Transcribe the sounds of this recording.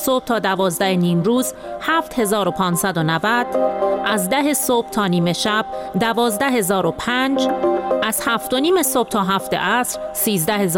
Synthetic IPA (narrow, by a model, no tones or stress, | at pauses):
sob̥̚t̪ʰɒːd̪ævɒːzd̪æheniːmɾuːz | hæːft̪he̞zɒːɾo̞pʰɒːnsæd̪o̞nævæd̪̥ʔæzd̪æɦesoːb̥̚t̪ʰɒːniːme̞ʃæb̥̚d̪ævɒːzd̪æɦe̞zɒːɾo̞pʰæːnd͡ʒʔæz̥hæft̪o̞niːme̞sob̥̚t̪ʰɒːɦæft̪e̞̰ʔæsɾsiːzd̪æhe̞z